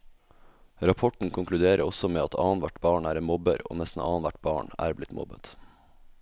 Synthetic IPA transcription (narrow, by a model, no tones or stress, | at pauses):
ɾɑpʰɔʈɳ̩kʰʊŋklʉd̪eːɾʔəɔsɔmeːɑt̪ʰɑːnʋæʈbɑːɳæːɾɛnmɔbəɾo̰ːnɛst̪n̩ʔɑ̰ːnʋæʈ̚bɑːɳæ̰ːɾblɪt̪mʔɔ̰bət̪